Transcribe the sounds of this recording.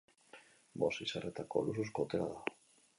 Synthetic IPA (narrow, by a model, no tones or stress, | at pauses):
bo̞sisaret̪ako̞̰lususko̞t̪eɾaða